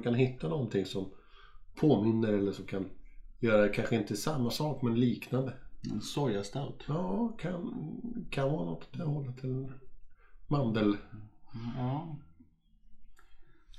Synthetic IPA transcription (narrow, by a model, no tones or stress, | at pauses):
kʰanɦɪt̪ʰːanɔnt̪ʰɪŋsɔm | pʰoːmɪnːəɾɛlːəʂɔmkʰanjœːɾad̪ɛkʰanɧəɪnt̪əsamːasɑːkmɛnliːknand̪əɛnsɔjast̪alt̪ɑːkʰankʰananɔ̰t̪ʰːɔd̪ɛhɔlːat̪ʰɪl | mand̪əl | ɑ